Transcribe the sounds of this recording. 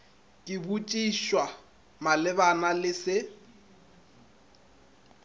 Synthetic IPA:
kʼɪbut͡ʃʼiʃwa | malɪbanalɪsɪ

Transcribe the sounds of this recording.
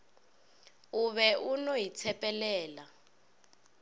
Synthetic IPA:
uβɛunoit͡sʰɛpʼɛlɛːla

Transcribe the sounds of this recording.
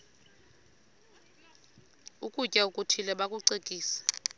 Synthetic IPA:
ukʼucʼaukʼutʰilɛɓakʼuǀekʼiːsḁ

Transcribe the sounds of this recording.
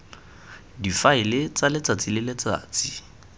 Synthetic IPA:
difaɪlɪt͡salɪt͡sʼat͡sɪlɪlɪt͡sa̰ːt͡si̥

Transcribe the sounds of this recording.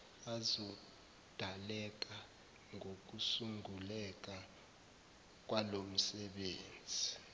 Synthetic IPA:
azɔ | d̥ʱalɛk̬ʼa | ŋʱok̬ʼusuŋɡulɛk̬ʼa | k̬ʼwalom̩sɛɓeːnd͡zʱi

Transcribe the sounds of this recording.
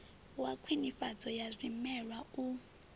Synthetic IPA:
wakʰwinifad͡zɔjazʷimɛɺwau

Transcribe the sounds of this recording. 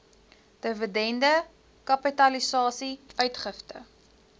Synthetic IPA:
d̥əvədɛndə | kɐpitɐlisɑːsiœɥtχəftə̰

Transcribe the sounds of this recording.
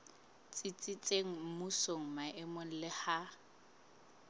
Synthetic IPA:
t͡sʼit͡sʼɪt͡sʼeŋ̩m̩musoŋ̩maʔɪmon̩lɪha

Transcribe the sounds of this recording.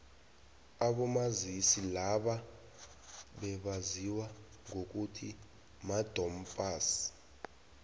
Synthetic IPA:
aɓɔmazisilaɓa | ɓɛɓaziwa | ŋʱok̬ʼutʰi | mad̥ʱɔm̩pʼaːsi̥

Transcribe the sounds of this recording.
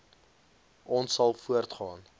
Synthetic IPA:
ɔnsːɐlˠfuərtχɑːn

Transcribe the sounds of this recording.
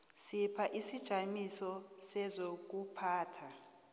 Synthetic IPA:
sipʰaʔisid̥ʒ̥ʱamisɔsɛzok̬upʰaːtʰa

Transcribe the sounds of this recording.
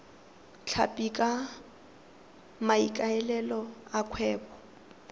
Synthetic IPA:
t͡ɬʰa̰pʼikʼa | maikʼaɛlɛlɔakʰwɛːbɔ

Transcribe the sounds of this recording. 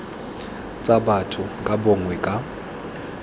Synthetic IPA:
t͡sʼabatʰʊkʼabɔŋwɛkʼa

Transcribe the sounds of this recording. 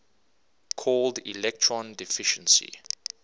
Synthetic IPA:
kʰɔldḭlɛk̚tʰɹɔ̃ndifɪʃə̃nsḭ

